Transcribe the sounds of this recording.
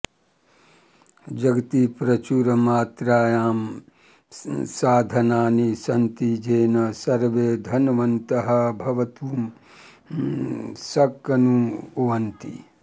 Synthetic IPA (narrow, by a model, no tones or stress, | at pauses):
d͡ʒɐɡɐt̪ipɾɐt͡ʃuɾɐmaːt̪ɾaːjaːm | saːd̪ʱɐnaːnisɐnt̪id͡ʒeːnɐsɐɾʋeːd̪ʱɐnɐʋɐnt̪ɐɦɐ̆bʱɐʋɐt̪uːm | sɐkːɐnuʋɐnt̪ḭ